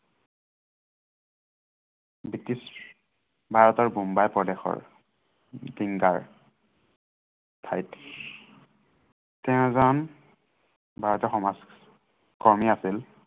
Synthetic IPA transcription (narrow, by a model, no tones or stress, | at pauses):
bitis | bʱaɹɔtɔɹbumbajpɹɔdɛxɔ̰ɹ | diŋɡaɹ | tʰajt | tɛʊ̃zan | bʱaɹɔtɔxɔmaz | kɔɹmiasil